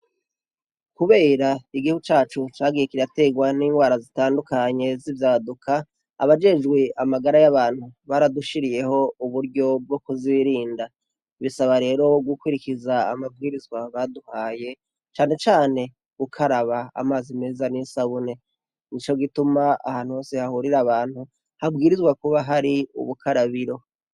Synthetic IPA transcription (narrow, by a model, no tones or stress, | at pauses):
kuβe̞ːɾaiɡihuɡut͡ʃaːt͡ʃut͡ʃaːɡijekiɾate̞ɡwaniːŋɡwaːɾazitaːndukaɲe̞zivjaːdukʰa̰ː | βad͡ʒe̞d͡ʒɡweʔamaɡaɾajaβaːn̥huβaɾaduʃiɾije̞ɦo̞uβuɾɟo̞b̚ɡo̞kuziiɾiːnda | βisaβaɾe̞ːɾo̞ɡukwuɾikiza̰ːmab̚ɡiːɾizɡwaβaduhaːje̞ | t͡ʃaːne̞t͡ʃaːne̞ | ɡ̥ukʰaɾaβa̰ːmaːzime̞ːzanisaβune̞ | nit͡ʃo̞ɡitumaa̰haːn̥huho̞ːse̞hahuɾiɾaβaːn̥hu | habɡiːɾizɡwakuβaɦaɾiṵβukʰaɾaβiɾo̞